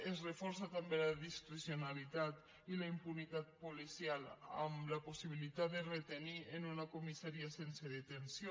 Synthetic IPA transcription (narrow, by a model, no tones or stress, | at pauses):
ezrefoɾsat̪ambelaðiskɾisjonalit̪at̪ | ilaimpunit̪at̪̚polisjala̰mlaposiβ̞ilit̪at̪̚d̪eret̪enienunakomisaɾiasenseðet̪ensjo